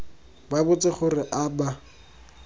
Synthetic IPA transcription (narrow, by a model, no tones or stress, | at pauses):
babʊt͡sʼɪχʊrɪʔaba